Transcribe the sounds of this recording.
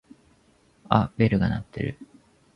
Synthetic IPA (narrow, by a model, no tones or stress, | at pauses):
a̰be̞ɾɯ̟ɡanat̪ːe̞̰ɾɯ̟